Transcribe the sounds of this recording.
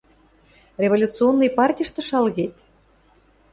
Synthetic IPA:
rʲevolʲut̪t͡sionːijpɑrtʲijʃt̪ɤ̆ʃɑlɣet̪ʲ

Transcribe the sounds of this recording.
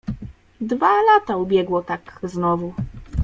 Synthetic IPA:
d̪valat̪aubʲjɛɡwɔt̪akznɔvu

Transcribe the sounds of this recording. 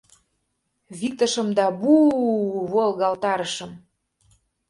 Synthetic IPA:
βik̚t̪ə̆ʃə̆md̪ɑbu | βolˠɣɑlt̪ɑɾəʃə̆m

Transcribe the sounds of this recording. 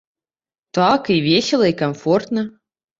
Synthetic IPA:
t̪ɑkivʲesʲɪlˠɐikɐmfort̪nə

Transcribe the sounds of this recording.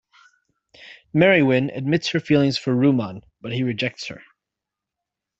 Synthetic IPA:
mɛɹiwɪ̃nɨ̰d̚mɪtshə˞filˠɪ̃ŋz̥fə˞ɹʉmɑ̃n | b̥ʌt̚hiɹɨd͡ʒɛk̚tshə̰˞

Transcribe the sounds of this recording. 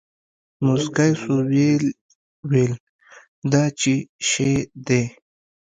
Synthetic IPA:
muskajsuwel | wel | d̪at͡ʃiʃed̪e

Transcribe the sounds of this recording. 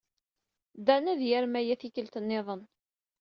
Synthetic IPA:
d̪ænæðjæɾmæjæθikəlt̪ənːeðˤən

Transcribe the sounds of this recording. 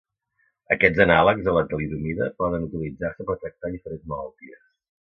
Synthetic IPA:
əkɛd͡zənaləkzðələt̪əliðumiðəpɔðənut̪ilid͡zarsəpəɾt̪ɾək̚t̪aðifəɾenzməlalˠt̪iəs

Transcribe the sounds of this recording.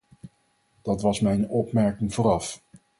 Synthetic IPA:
d̥ɑtʋɑsmɛjnɔpmɛɹkɪŋvʊːɾɑf

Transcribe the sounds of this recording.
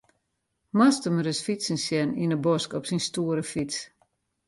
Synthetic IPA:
mastəmɾɪsfisənsjɛninəbɔskɔpsinstuəɾəfis

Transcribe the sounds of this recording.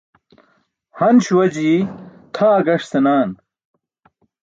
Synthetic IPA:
hɐnɕuwɐd͡ʑiːt̪ʰaːɡɐʂsɐnaːn

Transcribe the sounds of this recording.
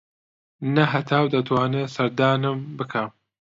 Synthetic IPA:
nɐɦɐt̪ʰaːwd̪ɐt̪ʰwaːnɨsɐɾd̪aːnɨmbɨkʰam

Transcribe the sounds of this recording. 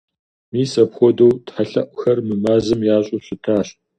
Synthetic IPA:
miːsɐpxʷɔdɐwtħaɬɐʔʷxɐrmɨmaːzɨmjaːɕʼʊɕɪtʰaːɕ

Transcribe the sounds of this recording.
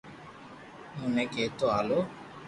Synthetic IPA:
mʊnɛkeːt̪oaːloː

